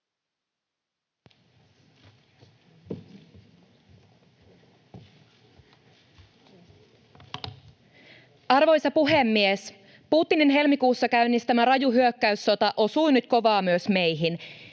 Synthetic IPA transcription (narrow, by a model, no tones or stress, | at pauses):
ʔɑrʋo̞jsɑpuɦemːies | puːt̪ːininɦe̞lmikuːsːɑkæynːist̪æmæɾɑjuɦyøkːæysːo̞t̪ɑʔo̞suinyt̪ko̞ʋɑːmyøsme̞jɦin